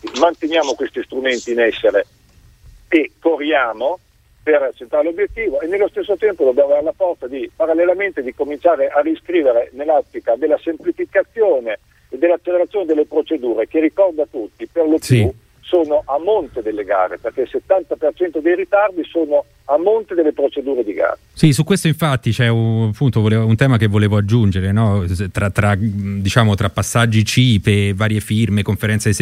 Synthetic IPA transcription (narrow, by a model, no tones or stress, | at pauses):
mant̪enjaːmokwest̪ist̪ɾument̪iːnɛsːeɾe | ekːorjaːmo | pert͡ʃːent̪ɾaɾelobːjet̪ːiːvoenːelːost̪esːot̪ɛmpod̪objaːmoveɾelafɔrt̪sad̪ipaɾalːelament̪ed̪ikomint͡ʃaːɾeʔariskɾiːveɾenelːat̪ːikad̪elːasemplifikat̪sːjoːneː | d̪ːelːat͡ʃːeleɾat̪sːjoːned̪elːepɾot͡ʃed̪uːɾekerikɔrd̪at̪ut̪ːiperlopju | soːnoʔamːont̪ed̪elːeɡa̰ːɾḛperkeset̪ːant̪apert͡ʃɛnt̪od̪ejɾit̪ard̪isoːno | amːont̪ed̪elːepɾot͡ʃed̪uːɾed̪iɡa̰ːɾesisukːwest̪oiɱfat̪ːit͡ʃɛuapːunt̪ovoleːunt̪ɛːmakevːoleːvoad͡ʒːund͡ʒeɾenɔt̪ɾat̪ːɾad̪it͡ʃaːmot̪ɾapːasːad͡ʒːit͡ʃiːpevaːɾjefirmekoɱfeɾɛnt̪ses